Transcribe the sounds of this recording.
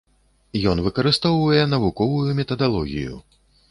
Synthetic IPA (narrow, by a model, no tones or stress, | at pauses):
jɔnvɨkɐɾɨst̪ɔwvɐjɛn̪ɐvukɔvujumʲɛt̪ɐd̪alˠɔɣʲḭjṵ